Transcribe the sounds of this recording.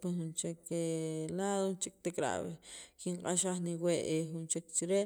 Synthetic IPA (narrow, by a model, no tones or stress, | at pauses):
pexunt͡ʃekelaːðot͡ʃik̚ʼt̪ekʼɾa̰ʔβekiɴqʼaʃaχniweʔexunt͡ʃek̚t͡ʃiɾe